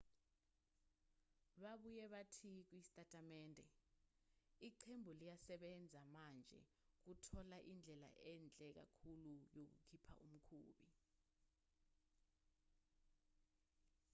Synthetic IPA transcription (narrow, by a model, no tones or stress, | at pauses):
ɓaɓujɛɓatʰik̬wisi̥tʼatʼamɛːndʱɛ | iǃʰembʱulijasɛɓɛnd͡zʱamand͡ʒʱɛ̰ | k̬utʰɔlaʔind͡ɮʱɛla̰ʔɛnd͡ɮʱɛk̬a̰kʰulujok̬ṵkʰipʰa̰ʔum̩kʰuːɓi